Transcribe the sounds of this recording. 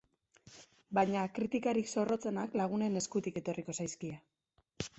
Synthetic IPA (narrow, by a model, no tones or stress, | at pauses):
bajɲakɾit̪ikaɾikso̞ro̞t͡se̞naklaɣ̞une̞ne̞skut̪ike̞t̪o̞riko̞sajskia